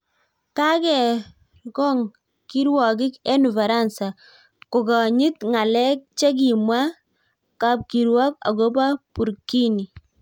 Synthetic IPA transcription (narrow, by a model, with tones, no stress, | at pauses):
ta˦kɛ˨ | kɔ˦ŋ | ki˦ɾwɔ˨kɪ˦ke˦nu˨va˨ɾa˦˨nsa˨ | ko˨kɔ˨ɲi˦t̪ŋa˨lɛ˦k̚t͡ʃɛ˦k̬i˨mwa˦ | ka˦p̚ki˨ɾwɔ˦ka̰˨ko˦ba˦pu˨ɾki˦ni˨